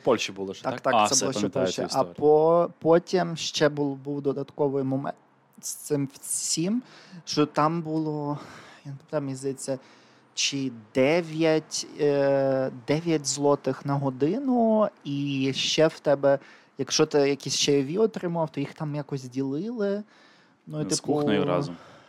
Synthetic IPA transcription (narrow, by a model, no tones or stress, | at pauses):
pɔlʲʃibulˠɪt̪akt̪ɑsɛbulˠɔɛp̪ɔlʃt͡ʃḭʔɐpɔpɔtʲimʃt͡ʃɛbulˠbuwd̪ɔd̪ɐt̪kɔʋɔjmɔmɛ̰n | st̪sɪmwsʲimʃt͡ʃɔt̪ɑmbulˠɔjanpɔpt̪ɛmʲizd̪ɐjet͡sʲːɐ | t͡ʃɪd̪ɛʋʲjɐtʲ | d̪ɛʋʲjɐtʲzlˠɔt̪ɪxnɐɦɔd̪ɪnʊiʃt͡ʃɛwt̪ɛbɛ | jɐkʃɔt̪ɪjɐkʲisʲʃt͡ʃɛjɔʋʲiɔt̪ɾɪmʊʋɑwt̪ɔjixt̪ɑmjakɔzʲzʲdʲilˠɪlˠɪ | nuit̪ɪpkuʊxnjʊɾɑ̰z̰m